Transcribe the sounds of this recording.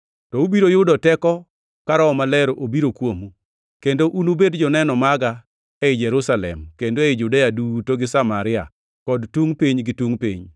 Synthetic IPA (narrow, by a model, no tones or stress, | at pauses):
tɔubiɾojʊdɔtɛkɔ | kaɾɔɔmalɛɾoʔobiɾokwomu | kendoʔunubedd͡ʒɔnɛnɔmaɡa | ɛɪd͡ʒɛɾusalɛ̰mkendoeɪd͡ʒudejadutoɡɪsamaɾɪa̰ | kɔdtuŋpiɲɡɪtuŋpḭɲ